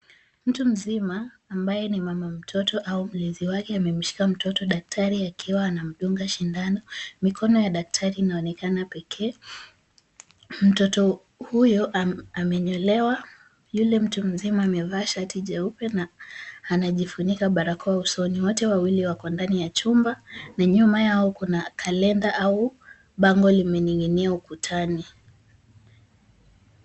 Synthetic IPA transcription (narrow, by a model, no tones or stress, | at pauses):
m̩tum̩zimaː | mbajɛnimamam̩tʰɔtɔʔaum̩liziwakɛamɛm̩ʃi̥kam̩tɔtɔɗak̚tʰaɾiakʰiwaːnam̩ɗuŋɡaʃindanɔmikʰɔnɔjaɗak̚tʰaɾiːnaɔnɛkanapɛkʰɛː | m̩tɔtɔ | hujɔʔamɛɲɔlɛwa | julɛm̩tum̩zimaːmɛvaʃatiʄaupɛnaː | naʄifuɲikaɓaɾakɔwausɔniwɔtɛwawiliwakɔndanijat͡ʃumbanaɲumajaɔkunakʰalɛndaʔau | ɓaŋɡɔlimɛɲiŋɡiniaukutʰani